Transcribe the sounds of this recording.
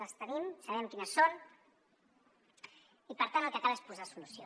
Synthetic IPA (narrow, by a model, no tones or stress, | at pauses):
əst̪ənimsaβɛmkinesɔɾ | ipəɾt̪anəlˠkəkalespuzasulusjo